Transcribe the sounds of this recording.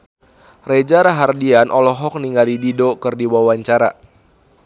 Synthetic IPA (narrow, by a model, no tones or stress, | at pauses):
red͡ʒaɾaɦardianʔɔlɔɦɔk̚niŋɡalididokɨrdiwawaɲt͡ʃaɾa